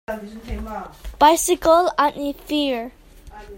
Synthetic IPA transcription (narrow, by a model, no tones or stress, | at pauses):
b̥ajsɪkəlãnifiɹ